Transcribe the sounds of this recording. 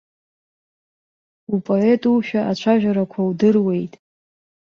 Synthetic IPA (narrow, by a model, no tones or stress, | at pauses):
upʼo̞e̞tʼuʃᶣaʔat͡ɕʷʰaʒᶣaɾakʷʰawdɨrwe̞jtʼ